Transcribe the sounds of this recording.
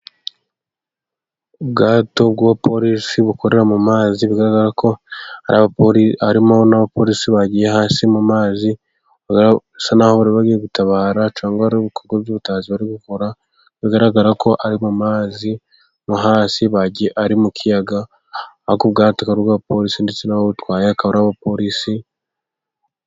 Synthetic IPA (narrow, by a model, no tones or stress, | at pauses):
ubɡaːto̞b̚ɡapʰo̞ɾisiβukoɾe̞ɾamumaːziβiɡaɾaɡaɾakʰohaɾaβapoɾiaɾimonaβapo̞ːɾisiβaɟijeɦaːsimumaːzi | β | sanaho̞βaɾiβaɡiːjeɡutaβaːɾat͡ʃaːŋɡaaɾuβikoɾɡoβjuːβutaːziβaɾiɡukoɾa | βiɡaɾaɡaɾakʰo̞ʔaɾimumaːzi | muɦaːsiβaɟieʔaɾimukʰijaɡa | akuβ̚ɡaːtakaɾuβɡaːβapo̞ɾisindet͡se̞nahoβutwaːjeakaβoɾaβapo̞ɾisi